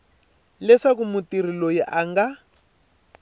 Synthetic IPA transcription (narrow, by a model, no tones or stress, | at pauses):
lɛsakumutir̤ilojiʔaŋɡa